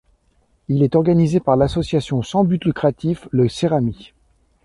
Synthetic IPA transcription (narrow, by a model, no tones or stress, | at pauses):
ilɛt̪ɔʁɡanizepaʁlasɔsjasjɔ̃sɑ̃byt̪lykχat̪ifləseʁami